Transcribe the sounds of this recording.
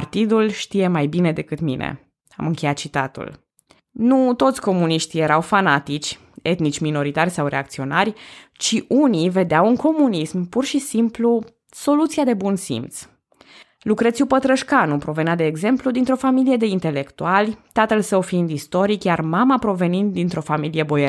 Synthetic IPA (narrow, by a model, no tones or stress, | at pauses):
art̪id̪ulʃt̪ije̞majbine̞d̪e̞kɨt̪mḭnḛ | a̰mɨŋkʲe̞jat̪t͡ʃit̪at̪ṵl | nut̪o̞t̪sʲko̞muniʃt̪ije̞ɾawfanat̪it͡ʃʲ | e̞t̪nit͡ʃʲmino̞ɾit̪arʲsawɾe̞̰a̰kt̪sio̞narʲt͡ʃiʔunive̞d̪eawuŋko̞munismpurʃisimplu | so̞lut̪siad̪e̞bunsḭmt̪s | lukɾet̪sʲupət̪ɾəʃkanupɾo̞ve̞nad̪e̞ːɡze̞mplud̪int̪ɾo̞familije̞d̪e̞int̪e̞le̞kt̪ualʲt̪at̪əlsəwfiind̪ist̪o̞ɾikjarmamapɾo̞ve̞nint̪d̪int̪ɾʔo̞familije̞bo̞je